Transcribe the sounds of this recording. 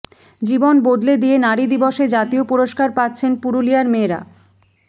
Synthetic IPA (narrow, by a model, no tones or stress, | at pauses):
d͡ʑibonbod̪led̪ijenaɾid̪iboʃed͡ʑat̪iopuɾoʃkaɾpat̪ːɕʰenpuɾulijaɾmeːɾa̰